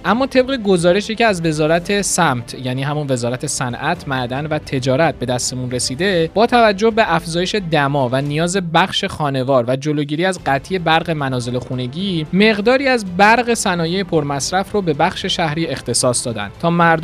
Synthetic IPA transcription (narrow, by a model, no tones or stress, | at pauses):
ʔæmːɒːt̪ʰe̞b̚ɣeɡo̞zɒːɾe̞ʃiceæzve̞zɒːɾæt̪ʰe̞sæmt̪ʰjæːniːɦæmunve̞zɒːɾæt̪ʰe̞sænʔæt̪ʰmæɾd̪ænvæt̪ʰe̞d͡ʒɒːɾæt̪̚be̞d̪æst̪e̞munre̞siːd̪e̞b̥ɒːt̪ʰævæd͡ʒːo̞hbe̞ʔæfzɒːjeʃe̞d̪æmɒːvænijɒːze̞bæχʃe̞xɒːne̞vɒːɾvæd͡ʒolo̞ɟiːɾiːæzɢæt̪ʰije̞bæɾɣe̞mænɒːze̞lexune̞ɟiːme̞ɣd̪ɒːɾiːæzbæɾɣe̞sænɒːje̞jepʰoɾmæsɾæfrobe̞bæxʃe̞ʃæhɾiːe̞xt̪ʰe̞sɒːsd̪ɒːd̪æ̰nt̪ʰɒːmæɾd̪